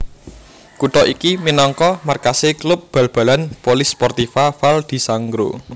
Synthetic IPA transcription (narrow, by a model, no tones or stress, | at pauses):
kuʈɔʔikiminɔŋkɔmarkaseklʊp̚b̥ä̤lb̥a̤lanpolɪspɔrt̪ifafald̪̥i̤saŋɡɾo̰